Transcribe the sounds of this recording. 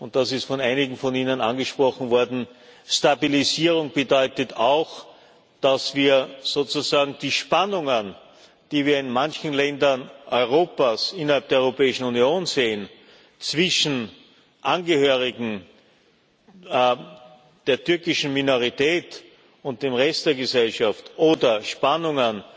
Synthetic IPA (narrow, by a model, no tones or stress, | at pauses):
ʊnt̚d̥asɪstfɔnaɪnɪɡŋ̩fɔniːnənanɡəʃpʁ̥ɔxn̩vɔɐdn̩stabiliziːʁʊŋb̥ədɔʏtətʰaʊx | d̥asv̥iːɐz̥oːt͡suzaːɡŋ̩d̥iːʃpanʊŋən | d̥iːviːɐɪnmançn̩lɛndɐnʔɔʏʁ̞oːpasɪnɐhalp̚d̥eɐɔœʁopɛːɪʃn̩unjoːnzeːən | t͡sv̥ɪʃn̩ | ʔanɡəhøːʁɪɡŋ̩ | d̥eːɐtʏɐkɪʃn̩minoʁitɛːt | ʊnt̚d̥eːmʁɛstd̥eːɐɡəzɛlʃaftʔoːdɐʃpanʊŋən